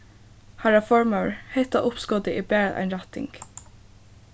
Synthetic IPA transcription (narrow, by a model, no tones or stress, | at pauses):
haɹafɔɹməɹhɛht̪aʔʊpskɔːd̪ɪʔɪbæːɹaðʔa̰ɪnɹat̪ɪ̰ŋk